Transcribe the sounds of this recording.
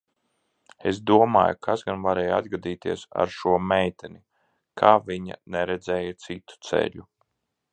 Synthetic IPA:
esd̪uɔma̰ːjukʰasɡanvaɾɛːja̰d̪ɡad̪iːt̪iɛsa̰ɾʃuɔmɛjt̪ɛni | kʰaːvʲiɲa̰nɛɾɛd̪zɛːjat̪sit̪u̥t̪sɛ̰ʎʲu

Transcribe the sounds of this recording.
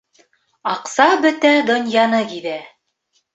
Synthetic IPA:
ɑqsɑbɵt̪æd̪ŏnjɑnɤkiðæ

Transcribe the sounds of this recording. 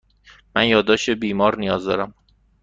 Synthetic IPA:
mænjɒːd̪ɒːʃebiːmɒːɾnijɒːzd̪ɒ̰ːɾæm

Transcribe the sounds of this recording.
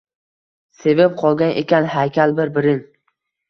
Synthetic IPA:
se̞vap̚qʰɒlˠɡʲanʔḛkʲanhajkʲʰalˠbɪɾbɪɾɪn

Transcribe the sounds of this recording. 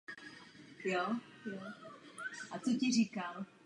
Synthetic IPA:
jojo | ʔat͡socɪriːkal

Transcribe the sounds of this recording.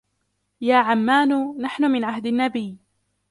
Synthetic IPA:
jaːʕamːaːnnaħnʊmɪnʕahd̪anːabɪjː

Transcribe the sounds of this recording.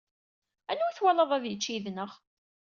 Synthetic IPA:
ænːuθwælɑðˤæðjət͡ʃːiðnəʁ

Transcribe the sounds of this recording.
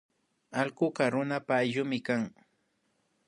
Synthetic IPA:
alkʊkaɾʊnapaːjʎʊmɪkaŋ

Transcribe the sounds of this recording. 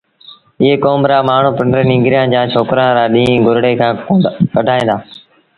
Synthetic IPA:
ɪɦeːkoːmɾaːmaːɳ̤ũːpɪɳɖəɾnĩːŋɡɾɪjãːd͡ʒãːt͡ʃʰoːkɾãːɾaːɗĩːɡʊɾɽeːkʰãːkəɖʱaːĩːnd̪aː

